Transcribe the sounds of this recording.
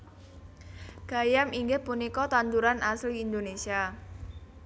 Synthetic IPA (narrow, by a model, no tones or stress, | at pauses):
ɡ̥a̤jamiŋɡɪhpunikɔt̪ant̪uɾanasliːnd̪onesia